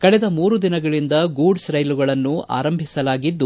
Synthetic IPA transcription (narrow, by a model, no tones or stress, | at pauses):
kɐɭɛd̪ɐmuːɾud̪inɐɡɐɭind̪ɐɡuːɖsɾɐjluɡɐɭɐnːua̰ːɾɐmbʱisɐlaːɡid̪ːu